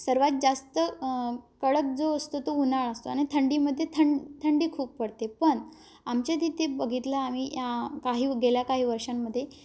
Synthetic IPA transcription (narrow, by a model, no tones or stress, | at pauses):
səɾʋat̪̚d͡zast̪ə | kəɭək̚d͡zoəst̪ot̪ounaɭəst̪oañit̪ʰəɳɖiːməd̪ʱːjet̪ʰəɳt̪ʰəɳɖiːkʰuːp̚pəɽt̪epəɳ | amt͡ɕed̪it̪ebəɡʱit̪laːmiːjakaɦiːɡeljakaɦiːʋəɾʂamːəd̪ʱːje